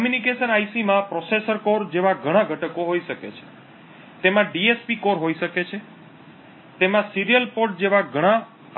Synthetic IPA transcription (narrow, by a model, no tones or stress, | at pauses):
mjunikeʃənajsimãpɾosesəɾkoɾd͡ʒeʋãɡʱəɽ̃ãɡʱəʈəkoɦoiʃəkḛt͡ʃʰe̥ | t̪emãɖiespikoɾɦoiʃəket͡ʃʰe | t̪emãsiɾijəlpoɾʈ̚d͡ʒeʋaɡʱəɽ̃ã